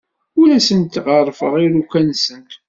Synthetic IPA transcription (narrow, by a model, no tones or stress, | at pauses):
ʊlæsənt̪ʁəɾˤfəʁiɾukænsənt̪